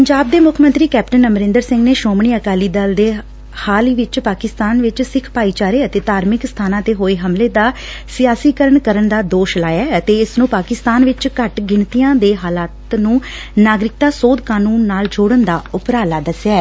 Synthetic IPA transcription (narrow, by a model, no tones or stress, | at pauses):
pəɲd͡ʒaːb̚d̪eːmʊkʰmənt̪ɾiːkɛːpʈənəmɾɪ̃nd̪əɾsɪ̃ŋɡneːʃoːmɳiːəkaːliːd̪əld̪eː | haːliːʋɪt͡ʃpaːkɪst̪aːnʋɪt͡ʃsɪkʰpaːiːt͡ʃaːɾeːət̪eːt̪aːɾmɪkst̪ʰaːnãːt̪eːɦoːeːɦəmleːd̪aː | sɪjaːsiːkəɾəɳkəɾəɳd̪aːd̪oːʃlaːjaːət̪eːɪsnũːpaːkɪst̪aːnʋɪt͡ʃkəʈɡɪɳt̪ijãːd̪eːɦaːlaːt̪nũː | naːɡɾɪk̚t̪aːsoːd̪kaːnuːnːaːld͡ʒʊːɽənd̪aːʊpɾaːlaːd̪əsjaːɛ